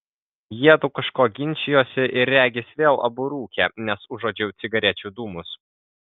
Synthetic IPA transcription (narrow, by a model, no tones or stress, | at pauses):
jiɛd̪ukɐʃkoːɡʲɪnʲˑt͡ʃʲɪjoːsʲɪʔɪɾːʲæːɡʲɪsʋʲeːlˠɐ̰bʊɾuːkʲɛːnʲɛsʊʒoːd͡ʒʲɛʊt̪sʲɪɡɐɾʲɛt͡ʃʲuːd̪uːmʊs